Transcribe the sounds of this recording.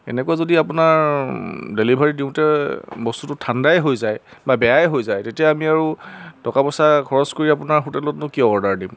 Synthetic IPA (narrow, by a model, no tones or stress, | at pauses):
ɛ̰nɛkuazodiapʊnaɹ | delibʱaɹidiʊ̃tɛbɔstutʊtʰandajɦojzajbabɛjajɦojzajtetijaamiaɹutɔkapɔsakʰɔɹɔskoɹiapʊnaɹɦotɛlɔtnʊkiɔɔɹdaɹdim